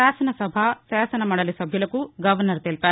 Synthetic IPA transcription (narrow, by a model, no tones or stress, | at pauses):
aːsɐnɐsɐbʱasaːsɐnɐmaːɽɐlisɐbʱjulɐkuɡɐʋɐɾnɐɾt̪elpɐ